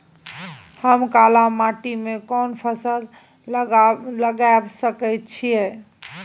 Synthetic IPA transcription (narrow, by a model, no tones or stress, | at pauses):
həmkalamaʈimekɔnpʰəsəl | ləɡabsəkəjt̪̚t͡ʃʰijɛ